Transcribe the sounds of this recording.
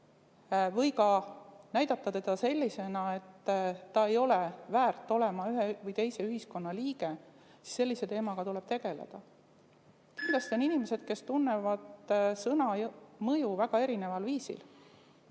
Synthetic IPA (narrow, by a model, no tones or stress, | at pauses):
vɤjkɑnæjd̪̥ɑt̪ːɑt̪e̞d̪̥ɑse̞lʲːise̞nɑe̞t̪ːɑe̞jo̞le̞væːrt̪ːˑo̞le̞mɑyɦevɤjt̪e̞jse̞yɦisko̞nːɑliːɡ̥e̞ | si̥sːe̞lʲːise̞t̪e̞ːmɑɡ̥ɑt̪ule̞b̥t̪e̞ɡ̥e̞lḛd̪̥ɑ | kinlːɑst̪o̞ninimese̞d̪̥ke̞st̪unːe̞vɑd̪̥sɤnɑjmɤjuvæɡ̥ɑe̞ɾine̞vɑlviːsḭl